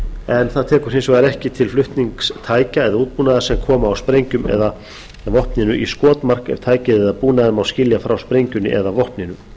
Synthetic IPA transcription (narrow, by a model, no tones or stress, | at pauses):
ɛnθaðt̪ʰɛːkʏɾ̥hɪns̬ɔɣvaaɾɛhcɪt̪ʰɪlflʏht̪niŋkst̪ʰaːjcaɛðauːt̪̚punaðasɛmkʰɔːmaːwspɾejɲcʏmɛ̰ða | vɔhpnɪnʏʔiskɔːt̪mar̥kɛ̰v̥t̪ʰaːjcɪðɛðapuːnaðɪmawscɪljafɾawspɾejɲcʏnːɪ̰ʔɛ̰ðavɔhpnɪnʏ